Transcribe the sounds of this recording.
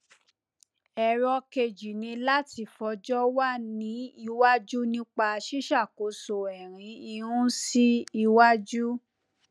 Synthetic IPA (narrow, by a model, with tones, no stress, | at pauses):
ɛ˧˨ɾɔ˧ke˧d͡ʒi˨nĩ˧la˦ti˧˨fɔ˧d͡ʒɔ˦wa˦nĩ˨˦i˧wa˦d͡ʒu˦nĩ˦k͡pa˧ʃi˦ʃa˦˨ko˨˦so˨ɛ˨ɾ̃ĩ˨˧˦i˧ũ˦si˦i˧wa˦d͡ʒu˦